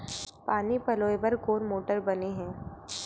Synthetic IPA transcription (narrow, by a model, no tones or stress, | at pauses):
paːnipɐloːebɐɾkoːɾmoːʈəɾbɐneɦɛ̃ː